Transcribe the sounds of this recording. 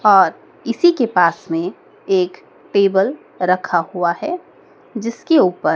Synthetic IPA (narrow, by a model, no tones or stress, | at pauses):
ɔːɾ | ɪsikepaːsmẽ | eːk | ʈeːbəl | ɾɐkʰahuaɦɛ | d͡ʒɪskeuːpəɾ